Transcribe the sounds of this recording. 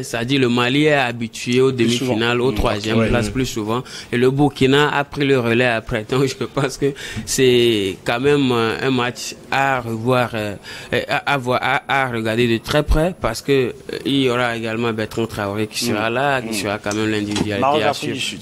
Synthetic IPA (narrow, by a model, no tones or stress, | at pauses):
sad̪iləmaliɛabit̪ɥyeod̪əmifinalot̪χwazjɛmplasplysuvɑ̃eləbukʲinaa̰pχiləʁəlɛapχɛd̪ɔ̃kʒəpɑ̃skəsɛkãmɛmɛ̰̃mat͡ʃaʁəvwaːʁ | ʔavwaaaʁəɡaʁd̪ed̪ət̪χɛpχɛpaʁsə̥kəiljoʁaeɡalmɑ̃bɛʁt̪χɛ̃t̪χaoʁiki̥səʁalakisəʁakɑ̃mɛmlɛ̃d̪ivid̪ɥalies